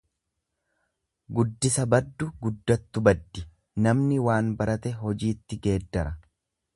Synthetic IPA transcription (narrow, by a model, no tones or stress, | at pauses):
ɡʊd̪ːɪsɐbɐd̪ːʊɡʊd̪ːɐt̪ːʊbɐd̪ːɪ | nɐmnɪwaːnbɐɾʔɐt̪ɛɦɔd͡ʒiːt̪ːɪɡe̞ːd̪ːɐɾɐ